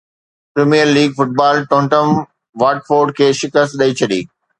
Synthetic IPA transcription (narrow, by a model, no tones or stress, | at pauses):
pɾeːmiːəɾliːɡfʊʈ̚baːlʈõːɳʈəm | ʋaːʈfoːɾɖ̚kʰeːʃɪkəst̪̚ɗɐit͡ɕʰɐɗḭː